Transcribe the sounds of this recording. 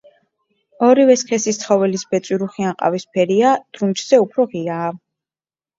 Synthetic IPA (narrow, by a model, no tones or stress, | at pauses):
ɔɾivɛskʰɛsist̪sʰχɔvɛlisbɛt̪sʼwiɾuχianqʼa̰vispʰɛɾiad̪̥ɾunt͡ʃz̥ɛupʰɾɔʁiaː